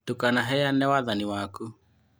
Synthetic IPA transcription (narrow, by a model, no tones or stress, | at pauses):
tokanaɦɛjanɛwaðaniwaku